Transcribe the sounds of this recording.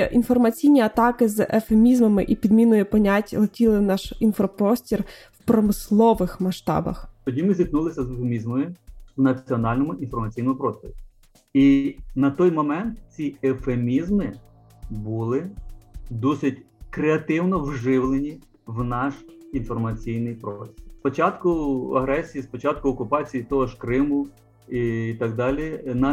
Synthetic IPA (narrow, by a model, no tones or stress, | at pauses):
ʔinfɔrmɐt͡sʲijnʲiɐt̪ɑkɪzɛfemʲizmɐmɪʔipʲid̪mʲinʊjʊpɔnʲatʲlˠɔtʲilˠɪnɑʃinfɾɔpɾɔsʲtʲirwpɾɔmɪslˠɔʋɪxmɐʃt̪ɑ̰bɐ̰xt̪ɔdʲimɪzʲiknulˠɪsʲɐzefemʲizmɔjʊwnɐt͡sʲiɔnɑlʲnɔmʊʔinfɔrmɐt͡sʲijnɔmʊpɾɔst̪ɔɾʲi | inɐt̪ɔjmɔmɛnt̪t͡sʲiefemʲizmɪ | bulˠɪ | d̪ɔsɪtʲ | kɾeɐt̪ɪwnɔwʒɪwlˠenʲi | wnɑʃinfɔrmɐt͡sʲijnɪjpɾɔsst̪spɔt͡ʃɑt̪kʊɐ̰ɦɾɛsʲijispɔt͡ʃɑt̪̚kʊɔkʊpɑt͡sʲijit̪ɔɔʒkɾɪmʊ | iːt̪ɑɡd̪ɑlʲinɑ